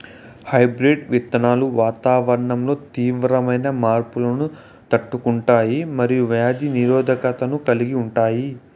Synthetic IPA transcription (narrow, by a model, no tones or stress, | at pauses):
hɐjbɾeɖʋit̪ːɐnaːluʋaːt̪aːʋɐɾɐɳɐmlo̞ːt̪iːʋɾɐmɐjnɐmaːɾpulɐnu | t̪ɐʈːukuɳʈaːjimɐɾijuʋjaːd̪iniɾɔːd̪ʱɐkɐt̪ɐnukɐliɡiuɳʈaːji